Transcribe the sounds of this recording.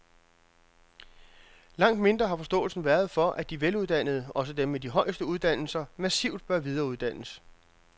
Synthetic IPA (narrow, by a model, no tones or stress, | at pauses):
lɑ̈ŋ̰d̥me̝nd̥ʁɐɦɑ̈fɒ̽sd̥ɔ̰̽ːl̩sn̩ʋæːɐð̞̩ˠfɒ̽ʔæd̥iʋeluðˠd̥æn̰ð̩ˠɒ̽s̬əd̥emːed̥iɦɒ̽ɪ̰sd̥əuð̞ˠd̥æn̰l̩sɐmæsḭʊ̰d̥̚b̥ɶɐʋið̞ˠɐːuð̞ˠd̥æn̰əs